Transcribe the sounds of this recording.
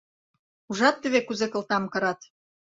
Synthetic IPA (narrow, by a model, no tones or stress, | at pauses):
uʒɑt̪ːəβekuzekɤ̆lt̪ɑmkɤ̆ɾɑt̪